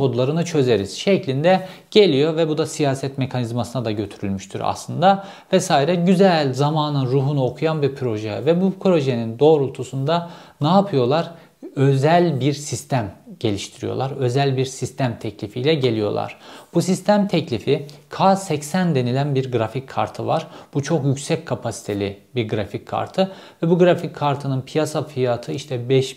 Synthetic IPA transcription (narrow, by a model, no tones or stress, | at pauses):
ko̞d̪lˠaɾɯnɯt͡ʃʰø̞ze̞ɾiz̥ʃeclʲind̪ɛɟ̥e̞lʲijo̞vɛbud̪asijaːsɛt̪me̞kʰanizmasɯnad̪aɟø̞t̪ʰyɾylʲmyʃt̪ʰy̰ɾa̰slˠɯnd̪a | vɛsaːiɾɛɟyzælʲzamaːnɯnɾuːɦunuo̞kʰujanbiɾpʰɾo̞ʒevɛbupʰɾo̞ʒenind̪o̞ːɾulˠt̪ʰusund̪a | naːpʰɯjo̞lˠaɾ | øzælʲbiɾsist̪ʰæmɟe̞lʲiʃt̪ʰiɾijo̞̰lˠaɾø̞zælʲbiɾsist̪ʰæmt̪ʰɛclʲifijlʲɛɟe̞lʲijo̞̰lˠa̰ɾ̥b̥usist̪ʰæmt̪ʰɛclʲifikʰaːsɛcsænd̪e̞nilʲænbiɾɡɾaficʲʰːa̰ɾt̪ʰɯva̰ɾ̥b̥ut͡ʃʰo̞kjycsɛc̚ʲkʰapʰasi̥t̪ʰe̞lʲibiɾɡɯɾaficʰːa̰ɾt̪ʰɯ | vɛbuɡɾafickʰːaɾt̪ʰɯnɯnpʰijasafijat̪ʰɯiʃt̪ʰɛbɛʃ